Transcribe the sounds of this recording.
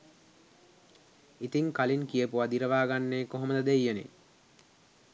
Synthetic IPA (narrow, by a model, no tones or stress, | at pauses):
it̪iŋkaliŋkijəpuad̪iɾəʋaːɡanːeːkoɦoməd̪əd̪eijənḛ